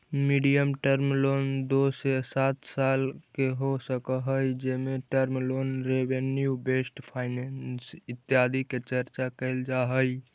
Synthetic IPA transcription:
miɖijəmʈəɾmlond̪osesat̪salkeɦosəkəɦəjd͡ʒemeʈəɾmlonɾebenjubesʈpʰaɪnensit̪ːjad̪ʱiket͡ʃəɾt͡ʃakəɪld͡ʒaɦəj

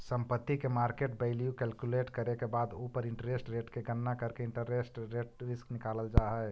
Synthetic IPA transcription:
ssəmpət̪ːikemaɾkeʈbeɪljukɛlkjuleʈkəɾekebad̪opəɾɪɳʈɾesʈɾeʈkeɡənːakəɾkeɪɳʈəɾesʈɾeʈ̚ɾisknikaləld͡ʒaɦə

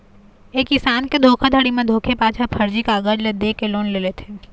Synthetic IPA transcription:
eːkɪsaːnked̪ʱoːkʰad̪ʱəɽimẽd̪ʱoːkʰepaːt͡ʃʰapʰɐɾd͡ʒikaɡəd͡ʒled̪eːkeloːnleːlet̪ʰeː

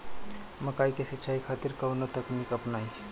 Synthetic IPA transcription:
məkajkesitːʃʰaikʰat̪iɾkəwnot̪əknikəpnai

